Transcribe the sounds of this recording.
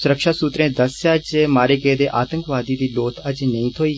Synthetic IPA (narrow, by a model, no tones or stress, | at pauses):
sʊɾəkʃaːsuːt̪ɾẽːd̪əsad͡ʒmaːɾeːkeːd̪eːʔaːt̪ə̃ŋkʋaːd̪iːd̪iːloːt̪ʰəd͡ʒnəĩːt̪ʰoːiː